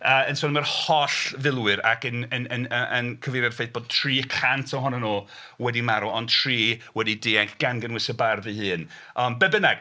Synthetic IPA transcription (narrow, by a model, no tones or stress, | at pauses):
əːənsɔːnəmərhɔɬvɪlˠwɨɾa̰kənənənəənkʰəvejɾjad̥fejθ̚b̥oːd̚tʰriːkʰantʰɔɦɔnɔnuː | wɛdimaɾɔɔntʰr̥iːwɛdidiːaŋkʰɡ̥anɡənwɪsəbarvɨɦɨːn | əmbɛbənaɡ̥